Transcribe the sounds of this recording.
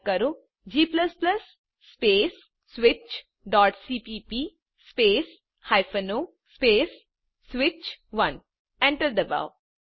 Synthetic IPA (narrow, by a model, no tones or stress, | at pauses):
kɐɾo | d͡ʒiːpləsplɐsː | peːs | sʋɪt͡ʃ | ɖɔːʈsiːpiːpiː | speːs | haɪfənoː | speːsː | ʋɪt͡ʃʋɐ̃n | ɛ̃ɳʈəɾd̪əba̰ʊ